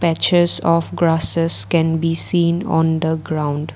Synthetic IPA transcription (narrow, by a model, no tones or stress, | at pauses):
pɛt͡ʃəɾsɔfɡɾasəskɛ̃nbisĩːnɔ̰̃nd̪əɡɾãʊ̃nɖ